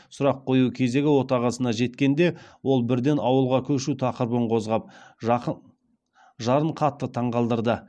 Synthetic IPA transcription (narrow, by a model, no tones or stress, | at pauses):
sʊɾɑqʰo̞jukʲʰe̞ze̞ɡʲɪwo̞t̪ɑʁɑsənɑʒe̞t̪kʲe̞nd̪e̞wo̞lˠbɪɾd̪e̞nɑwəlˠʁɑkʲʰɵʃut̪ʰɑqəɾbəɴqʰo̞zʁɑp̚ | ʒɑɾəɴqʰɑt̪ːət̪ʰɑɴʁɑlˠd̪əɾd̪ə